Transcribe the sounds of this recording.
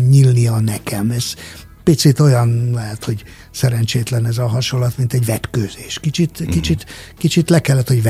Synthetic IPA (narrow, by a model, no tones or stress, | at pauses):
ɲilniɒnɛkʰɛmɛz̥ | pit̪sit̪o̞jɒnlɛɦɛt̪ho̞ɟ | sɛɾɛnt͡ʃeːt̪lɛnɛzɒɦɒʃo̞lːɒt̪mint̪ɛɟvɛt̪køːzeːʃkit͡ʃit̪kit͡ʃit̪kit͡ʃit̪lɛkɛlːɛt̪ho̞ɟv